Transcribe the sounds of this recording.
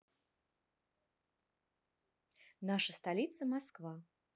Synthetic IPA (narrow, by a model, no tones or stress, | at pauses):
naʂɐst̪alʲit̪sɐmaskva